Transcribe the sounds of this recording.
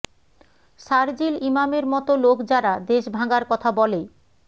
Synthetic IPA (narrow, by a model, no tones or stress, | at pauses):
ʃaɾd͡ʑilimameɾmɔt̪olokd͡ʑaɾad̪eʃbʱaɡaɾkɔt̪ʰabɔle